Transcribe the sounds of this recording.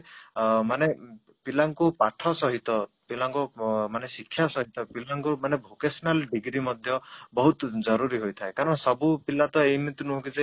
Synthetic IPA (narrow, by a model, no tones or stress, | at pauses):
mane | pilaŋkupaʈʰɔsɔɦit̪ɔpilaŋkumanesikʰːjasɔɦit̪ɔpilaŋkumanebʱokesɔnalɖiɡɾimɔd̪ʱjɔbɔɦut̪d͡ʒɔɾuɾiɦojt̪ʰaekaɾɔɽ̃sɔbupilat̪ɔejmit̪unuɦɔ̃ŋkid͡ʒe